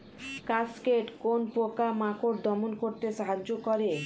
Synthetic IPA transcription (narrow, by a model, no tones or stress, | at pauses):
kaskeʈkonpokamakoɾd̪ʱɔmonkoɾt̪eʃaɦad͡ʑːokɔɾe